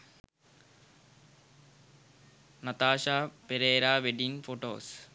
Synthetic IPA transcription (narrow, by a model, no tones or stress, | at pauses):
nɐt̪aːʃaːpeɾeːɾaːʋeɖinfoʈo̰ːs